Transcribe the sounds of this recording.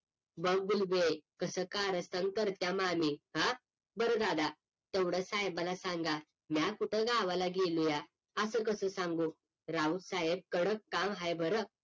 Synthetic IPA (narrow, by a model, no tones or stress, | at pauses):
bəŋɡulbekəsəkaɾəst̪ankəɾt̪jamamiɦã | bəɾəd̪ad̪a | t̪ewɽəsaɦebalasãŋɡa | mjakuʈʰəɡaʋalaɡeluja | əsəkəsəːsãŋɡu | ɾaud̪saɦeb̚kəɽəkːamɦajbʱəɾə